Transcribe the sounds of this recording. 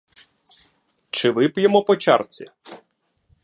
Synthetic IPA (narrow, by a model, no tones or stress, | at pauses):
t͡ʃɪʋɪpjemɔpɔt͡ʃa̰rt͡sʲḭ